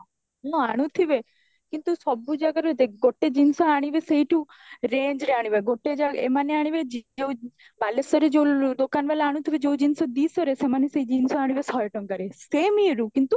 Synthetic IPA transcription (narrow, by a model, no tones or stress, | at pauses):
ɔ̃aɽ̃ũt̪ʰiʋe | kint̪usɔbud͡ʒakəɾet̪eɡoʈːed͡ʒinsoaɽ̃iʋeseiʈʰũ | ɾend͡ʒɾeaɽ̃iʋeɡoʈːed͡ʒaḛmaneaɽ̃iʋed͡ʒeu | balesɔɾed͡ʒewd̪okanʋelaaːɽ̃ũt̪ʰibed͡ʒeud͡ʒinsɔd̪iːsɔɾesemaneseid͡ʒinsoaɽiʋesɔjeʈɔŋkɐɾeseːmiɾũkint̪u